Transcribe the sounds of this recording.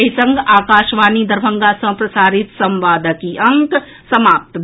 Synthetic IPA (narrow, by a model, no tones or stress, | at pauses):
ɦisə̃ŋɡʱaːkaːʃʋaːnid̪əɾbʱəŋɡasə̃pɾəsaːɾit̪sə̃mʋaːd̪əkiʔəŋk | səmaːp̚t̪